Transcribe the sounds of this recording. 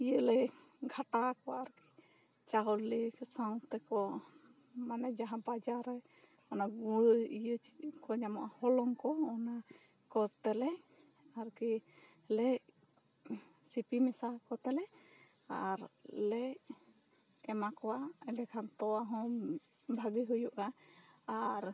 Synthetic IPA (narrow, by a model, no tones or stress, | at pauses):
ijəlɛ | ɡʱaʈakɔwaaɾki̥ | t͡ʃaɡɔlliksaw̃t̪ɛkɔ | manɛd͡ʒaɦãbad͡ʒaɾɛ | ɔnaɡijəkɔd͡ʒamɔʔahɔlɔŋkɔɔna | kɔt̪ɛlɛ | aɾki | lɛʔ | sipimɛsakɔt̪ɛlɛʔ | a̰ɾlɛʔ | kɛmakɔwaɛlɛkʰamt̪ɔwaɦɔ̃m | bʱaɡiɦujuʔaaɾ